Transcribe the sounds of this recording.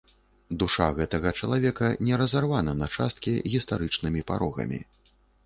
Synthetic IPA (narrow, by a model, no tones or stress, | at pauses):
d̪uʂa̰ɣɛt̪ɐɣɐt͡ʂɐlˠavʲɛkɐnʲɛɾɐzarvanɐnɐt͡ʂast̪̚kʲiɣʲist̪aɾɨt͡ʂnɨmʲipa̰ɾɔɣɐ̰mʲḭ